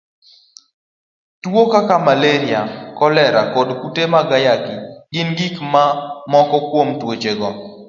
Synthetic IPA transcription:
twokakamaleɾɪakɔlɛɾakɔdkutemaɡajakiɡɪnɡikmamɔkɔkwomtwot͡ʃeɡɔ

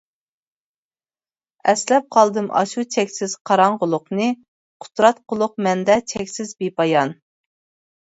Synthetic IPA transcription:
ɛslɛp̚qʰɑlˠd̪ɨmʔɑ̰ʃut͡ʃʰɛkʲsɪz̥qʰɑɾɑɴʁʊlˠʊqnɨ | qʰʊ̥t̪ɾɑt̪̚qʊlˠʊq̚mɛnd̪ɛt͡ʃʰɛkʲsɪzbepɑjɑn

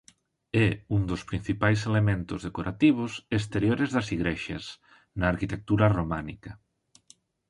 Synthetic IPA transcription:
ɛund̪ospɾin̟θipajs̬elemẽnt̪ozðekoɾʔat̪iβ̞oses̬t̪eɾjoɾezðɐsiɣɾeʃas | naːɾkit̪ek̚t̪uɾaromanikɐ

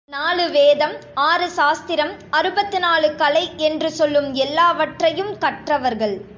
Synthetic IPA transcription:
naːɭɯʋeːðɐmaːɾɯsaːst̪ɪɾɐmɐɾɯbɐt̪ːɯnaːɭɯkɐlɐɪʔɛndrɯsɔlːɯmɛlːaːʋɐʈrɐjɯmkɐʈrɐʋɐɾɣɐɭ

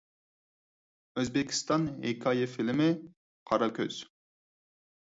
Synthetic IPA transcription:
øzbɪkʲʰi̥st̪ɑnɦekʰɑjefilɪmɪ | qʰɑɾɑkʲø̰z̥

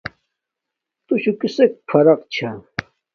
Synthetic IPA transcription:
t̪uɕukisek̚pʰɐɾɐqt͡ɕʰa

